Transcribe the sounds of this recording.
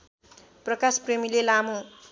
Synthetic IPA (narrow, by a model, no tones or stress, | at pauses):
prʌkaspremilelamõ